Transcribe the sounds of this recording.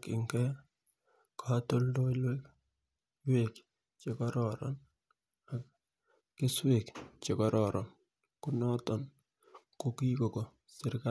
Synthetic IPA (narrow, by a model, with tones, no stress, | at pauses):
kɪ̰˨ŋkɛ | kʰa˦to˦ldo˦lwe˦k | we˨k | t͡ʃe˨kɔ˦ɾɔɾɔ̰n | a˨kː | ɪ˦swe˨kt͡ʃe˨kɔ˦ɾɔ˨ɾʔɔ˨n | ku˦nɔ˦tɔ˨n | ko˦ki˦ko˨ko˨ | sɪ˦ɾka